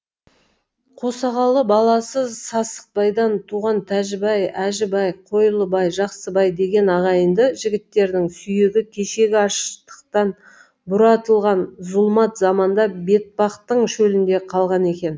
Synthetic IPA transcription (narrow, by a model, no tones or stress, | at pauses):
qʰosɑʁɑlˠəbɑlˠɑsəzsɑsə̥q̚pɑjd̪ɑnt̪ʰuʁɑnt̪ʰæʒɪbɑjæʒɪbɑjqʰo̞jəlˠəbɑjʒɑqsəbɑjd̪e̞ɡʲe̞nɑʁɑjənd̪əʒɪɡʲɪt̪ːe̞ɾd̪ɪŋsʏje̞ɡʲɪkʲʰe̞ʃe̞ɡʲɪɑʃət̪ə̥q̚t̪ɑn | bʊɾɑt̪əlˠʁɑnzʊlˠmɑt̪zɑmɑnd̪ɑbe̞t̪̚pɑqt̪əɴʃɵlɪnd̪e̞qʰɑlˠʁɑne̞kʲe̞n